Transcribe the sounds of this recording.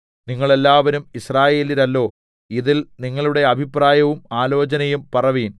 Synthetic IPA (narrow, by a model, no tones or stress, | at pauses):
niŋːɐɭe̞lːaːʋɐɾumisraːje̞ːliɾɐlːo̞ː | iðilniŋːɐɭuɽe̞ɐbʱipraːjɐʋumaːlo̞ːt͡ɕɐnɐjumpɐrɐʋiːn